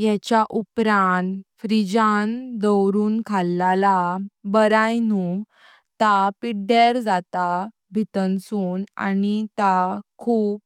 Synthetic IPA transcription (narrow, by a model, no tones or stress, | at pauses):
jɛt͡ɕjaʔupɾanfɾid͡ʑand̪əwɾuːnkʰalːalabəɾajnu | t̪apiɽeɾd͡zat̪a | bʱit̪ənsuːna̰nit̪akʰuːp̚